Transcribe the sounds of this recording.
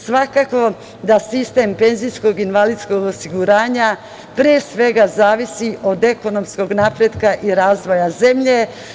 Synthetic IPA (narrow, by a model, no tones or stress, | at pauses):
sʋakako̞ | d̪asist̪e̞mpe̞nzijsko̞ɡinʋalid̪sko̞ɡosiɡuɾaːɲa | pɾeesʋe̞ɡazaːʋisiʔo̞d̪e̞ko̞no̞msko̞ɡnapɾe̞d̪kaʔiɾaːzʋo̞jaze̞mʎe̞